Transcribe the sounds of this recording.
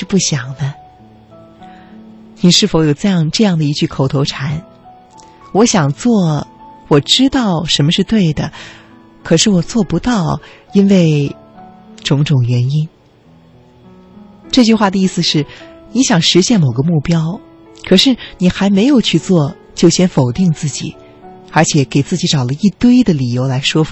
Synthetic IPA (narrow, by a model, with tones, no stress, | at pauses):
ʂɻ̩˥˧pu˥˩ɕjɑ˨˩ŋd̪ə˦ | ni˨˩ʂɻ̩˥˩fo˧˥ʊjo˨˩ʊʈ͡ʂa˥˧jɑ˥˧ŋʈ͡ʂɤ˥˧jɑ˥˩ŋd̪ə˩i˧˥t͡ɕy˥˩kʰo˨˩ʊt̪ʰo˧˥ʊʈ͡ʂʰa˧˥n | wɔ˧˥ɕjɑ˨˩ŋt͡swɔ˥˩wɔ˨˩ʈ͡ʂɻ̩˥t̪ɑ˥˩ʊʂə˧˥nmə˧ʂɻ̩˥˧t̪we˥˩ɪd̪ə˩ | kʰɤ˨˩ʂɻ̩˥˩wɔ˨˩t͡swɔ˥˩pu˧˥t̪ɑ˥˩ʊi˥nwe˥˩ɪ | ʈ͡ʂʊ˧˥ŋʈ͡ʂʊ˨˩ŋɥɛ˧˥ni˥n | ʈ͡ʂɤ˥˧t͡ɕy˥˧xwa˥˩d̪ə˩i˥˩sɹ̩˩ʂɻ̩˥˩ni˧˥ɕjɑ˨˩ŋʂɻ̩˧˥ɕjɛ˥˩nmo˨˩ʊɡə˦mu˥˩pjɑ˥ʊ | kʰɤ˨˩ʂɻ̩˥˩ni˨˩xa˧˥ɪme˧˥ɪjo˨˩ʊt͡ɕʰy˥˧t͡swɔ˥˧ | t͡ɕjo˥˩ʊɕjɛ˥nfo˨˩ʊt̪i˥˧ŋt͡sɹ̩˥˩t͡ɕḭ˨˩˦ | ə˞˧˥t͡ɕʰjɛ˨˧˥ke˨˩ɪt͡sɹ̩˥˩t͡ɕi˧˥ʈ͡ʂɑ˨˩ʊlə˦i˥˩t̪we˥ɪd̪ə˨li˨˩jo˧˥ʊla˧˥ɪʂwɔ˥f